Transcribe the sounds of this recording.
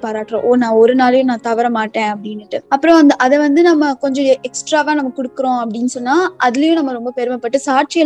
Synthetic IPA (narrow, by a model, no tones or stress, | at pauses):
paːɾaːʈːɾõ̰ʔoːnãːɔɾɯnaːlɐjʊ̃nãːt̪ɐʋɐɾɐmaːʈːẽːɐpːɐɽɪnːɪʈːɯɐpːɯɾõɐnd̪ɐʔɐðɛʋɐnd̪ɯnɐmːɐkɔɲd͡ʒɔ̃ɛksʈɾaːʋaːnɐmːɐkʊɽɯkːɯɾõɐpːɐɽɪnːɯsɔnːaːʔɐðɪlɐjʊ̃nɐmːɐɾɔmbɐpɛɾɯmɛpːɐʈːɯsaːɾʈ̚t͡ʃɪjɐ